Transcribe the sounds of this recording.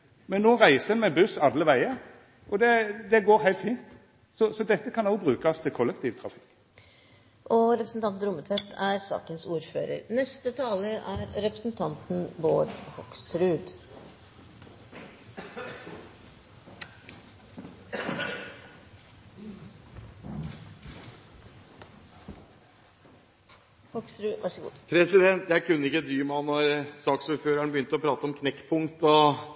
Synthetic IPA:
mɛnːoːʁæɪsəənmɛbʉsɑd̪ləʋæɪə | ʔɔd̪ɛd̪ɛɡoːɾɦæɪlt̪fiːnt̪ | sɔsɔd̪ɛt̪ːəkʰɑnɔʊbʁʉːkɑst̪ʰɪlkʰɔlːək̚t̪ʰiːʋt̪ʰɾɑfɪ̥kː | ʔɔɾɛpɾəsn̩t̪ɑnt̪nɾʊmːət̪ʰʋɛt̪ːæ̰ɾsɑ̰ːkənsuːɾfø̰ːɾə̰ɾnɛst̪ət̪ʰɑːləʔæɾɾɛpɾəsn̩t̪ʰɑnt̪n̩boːɖhɔksɾʉːd̪ | hɔksɾʉʋʔæʂəɡṵːpʰɾɛsɪd̪ɛnt̪jæɪkʰʉnːəɪkːəd̪ɾyːmæɔmnɔɾsɑːksuːɾføːɾæɳbəjʏnt̪əɔpʰɾɑːt̪əɔmkʰnɛkːpʰʊŋt̪ɔ

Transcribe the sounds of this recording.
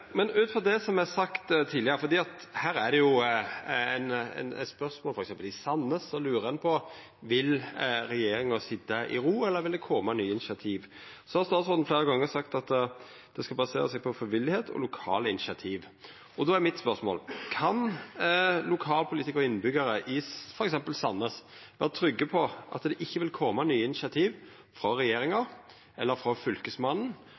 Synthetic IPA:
mɛnʉːt̪fɔd̪ɛsɔmæsɑkt̪t̪ʰiːd̪lɪəɾəfɔɾd̪iːɑt̪hæːɾæd̪ɛjʊ | ænɛ̰nɛ̰t̪spœɾsmoːlfɔɾɛksɛmpəlɪsɑnːəsɔlʉːɾəɛnpʰɔ | ʋɪlɾɛjeːɾɪŋɑsɪd̪ːɑʔɪ̰ɾuːɛlːəɾʋɪld̪ɛkʰɔːmɑnyːɪnɪʃɑt̪ʰiːʋ | sɔhɑɾst̪ɑːt̪sɔld̪n̩fleːɾəɡɑŋːəsɑkt̪ɑt̪ | d̪̥ɛskɑlbɑsḛːɾəsɛːɡ̚pʰɔfɾɪʋɪlːɪheːt̪ʰɔ̰lʊkʰɑ̰ːləɪnɪʃɪɑt̪ʰiːʋ | ɔd̪ɔːæɾmɪt̪spœʁsmo̰ːlkʰɑn | lʊkʰɑːlpʰʊliːt̪ɪkəʁɪnːəbʏɡəɾəʔɪfɔɾɛksɛmpəlsɑnːəsʋæːʁət̪ʰɾʏɡːəpʰɔʔɑ̰t̪d̪ɛʔɪçːəʋɪlkʰɔːmɑnyːəɪnɪʃɪɑt̪ʰiːʋ | fɾɔɾɛjeːɾɪŋɑ | ʔɛlːəɾfɾɔfʏlkəsmɑnn̩

